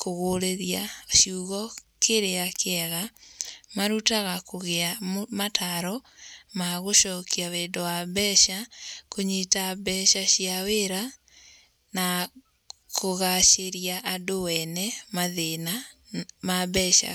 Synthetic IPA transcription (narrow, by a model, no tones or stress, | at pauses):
koɣoɾeɾjaʃjuɣɔkeɾeakʰeɛɣamaɾutaɣakoɣeamatʰaɾɔmaɣoʃɔkiawendɔwabɛʃakoɲetabɛʃaɕiaweɾa | na | kʰoɣaʃeɾiaʔadowɛnɛmaðenamabɛʃa̰